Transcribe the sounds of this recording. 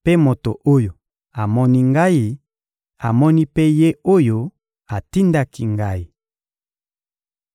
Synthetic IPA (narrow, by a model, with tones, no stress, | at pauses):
pe˦mo˨to̰˨ʔo˦jo˨ | a˨mɔ˦ni˦ŋɡa˦i˦ | a˨mɔ˦ni˦pe˦je˦o˦jo˦ | a˨ti˦nda˦ki˦ŋɡa˦i˨